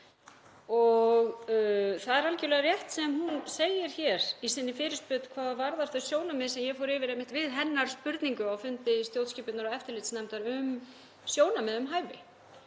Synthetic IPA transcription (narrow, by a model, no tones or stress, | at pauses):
ɔɣθaðɛɾancɪlɛɣarjɛht̪sɛmhunseːjɪɾ̥çɛɾ̥isɪnːɪfɪːɾɪspʏːt̪kʰvaːðavaɾðaɾ̥θœɥsjoːwnamɪðsɛmjɛɣfɔɾɪːvɪɾejmɪht̪vɪðɦɛnːaɾ̥spʏɾt̪niŋkʏawfʏnt̪ɪst̪jowt̪scɪːpɪt̪naɾɔɛft̪ɪɾlɪːt̪snajmt̪aɾʏm | sjoːwnamɛðʏmɦaːjvɪ